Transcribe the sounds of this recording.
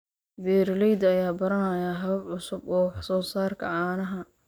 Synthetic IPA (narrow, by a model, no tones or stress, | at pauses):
bɛːɾlɛjd̪ɐjaːbɐɾɐnɐjaɦɐbʕʊsʊbɔːwɑħsɔːsaːrkʰɐ̰ʕɑːnɐɦɐ